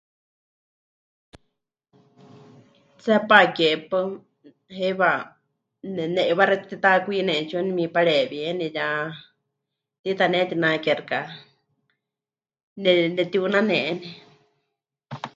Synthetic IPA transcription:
t͡sɛpakepɨ | heβa | nɛnɛʔiβaɾɛt̪t̪it̪akʷinɛt͡ʃonimipaɺɛβiɛnɛja | t̪it̪anɛt̪inakɛɾka | nɛnɛt̪iunanɛʔni

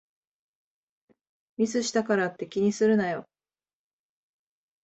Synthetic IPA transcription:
mʲizɨɕi̥t̪akaɾat̪ːe̞kʲiɲ̟isɨɾɯ̟najo̞̰

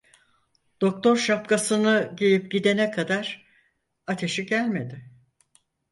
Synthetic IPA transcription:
d̪̥o̞k̚t̪ʰo̞ɾʃap̚kasɯnɯɟejʲip̚ɟid̪e̞nɛkʰad̪aɾ | at̪ʰe̞ʃiɟælʲme̞d̪ɪ

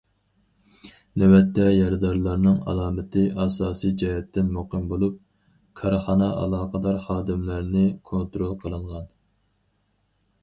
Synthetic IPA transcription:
nɛwɛt̪ʰːɛjɑɾd̪ɑɾlˠɑɾnɨŋɑ̰lˠɑːmɪt̪ʰɪʔɑsɑːsijd͡ʒɑhɛt̪ːɪnmoqəmbolˠup̚ | kʰɑɾχɑːnɑɑ̰lˠɑːqʰəd̪ɑɾχɑːd̪ɪmlæɾnɪkʰont̪ɾolˠqʰəlˠɨɴʁɑn

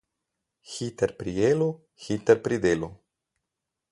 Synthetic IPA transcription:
xit̪eɾpɾielo | xit̪eɾpɾid̪elo

